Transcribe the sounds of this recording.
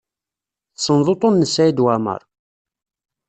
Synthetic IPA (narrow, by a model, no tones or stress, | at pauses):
θsənðˤot̪ˤonːəsæjid̪wæmə̰ɾˤ